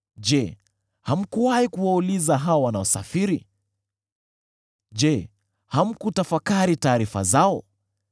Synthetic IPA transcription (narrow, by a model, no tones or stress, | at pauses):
d͡ʒɛ | ham̩kuwahikuwaulizaɦaɔwanaɔsa̰fiɾi | ʄɛ | ham̩kutafakaɾitaːɾifa̰zaɔ